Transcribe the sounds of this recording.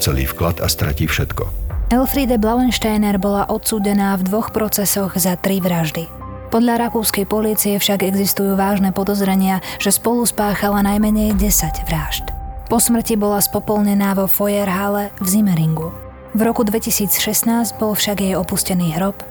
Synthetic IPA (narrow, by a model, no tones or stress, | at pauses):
t͡sɛlḭːfklat̪a̰st̪ɾa̰ciːfʃɛt̪kɔ̰ɛlfɾiːd̪ɛblalɛnʃt̪ajnɛɾbɔlaʔɔt̪suːɟɛnaːvd̪ʋɔxpɾɔt͡sɛsɔɣzat̪ɾiʋɾaʒd̪i | pɔd̪ʎaɾakuːskɛjpɔliːt͡siɛfʃaɡɛɡzist̪ujuːʋaːʒnɛpɔd̪ɔzɾɛɲɪaʒ̥ɛspɔluspaːxalanajmɛɲɛjɟɛsaɟʋɾaːʃt̪pɔsmr̩cibɔlaspɔpɔlɲɛnaːʋɔfɔjɛɾɦalɛvzimɛɾiŋɡu | vɾɔkud̪ʋɛcisiːt͡sʃɛsnaːzɟbɔlfʃaɡjɛjɔpuscɛniːɦɾɔp